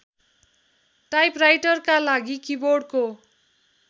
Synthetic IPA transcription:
ʈajprajʈʌrkalaɡikiborɖko

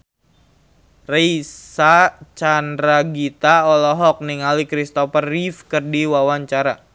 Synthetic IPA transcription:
reisat͡ʃandɾaɡit̪aɔlɔɦɔk̚niŋalikɾist̪ɔfərːifkərdiwawaɲt͡ʃaɾa̰

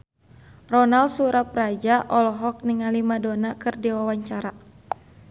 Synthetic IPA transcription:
rɔnalsuɾap̚rad͡ʒaʔɔlɔɦɔk̚niŋalimadonakɨrdiwawaɲt͡ʃaɾa

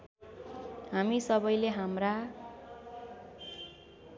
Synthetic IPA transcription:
hamisʌbʌjleɦamra

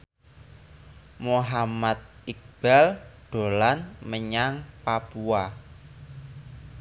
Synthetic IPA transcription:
moɦamat̪̚ik̚b̥alɖ̪̥o̤lanməɲaŋpapua

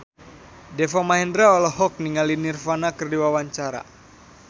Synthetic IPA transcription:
dɛfɔmaɛndɾaɔlɔhɔk̚niŋalinirfanakərdiwawaɲt͡ʃaɾa̰

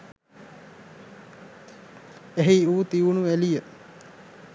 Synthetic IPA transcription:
eɦiuːt̪iʋunuʋælijə

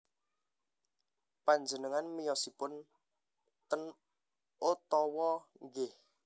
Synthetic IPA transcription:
paɲd͡ʒənəŋanmijɔsipʊn | t̪ən | ot̪ɔwɔŋɡeh

